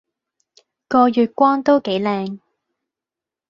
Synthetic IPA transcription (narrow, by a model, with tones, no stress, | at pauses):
kɔː˧jyː˨t̚kʷɔː˥ŋt̪o˥wke˨˥jlɛː˧ŋ